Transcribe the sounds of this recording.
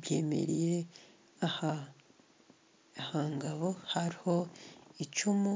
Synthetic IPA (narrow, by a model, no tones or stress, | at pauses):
bje̞̰ːmḛɾije | aha | haŋɡaβo̞haɾiho̞it͡ʃumu